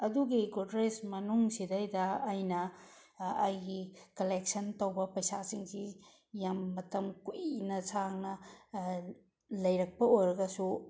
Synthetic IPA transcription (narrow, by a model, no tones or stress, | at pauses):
ɐduɡiɡodɾesmɐnuŋsidɐjdɐːjnɐ | ɐjɡikɐlek̚sɐntɐwbɐpɐjsasiŋsi | jamːɐtɐmkunɐsaŋnɐ | lɐjɾɐk̚pɐojɾɐɡɐsu